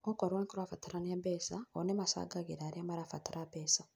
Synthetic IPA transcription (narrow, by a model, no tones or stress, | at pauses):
okoɾweŋkoɾwafataɾanabeːsaonemasa̰ːɡaɡiɾaːɾiamaɾafataɾabeːsa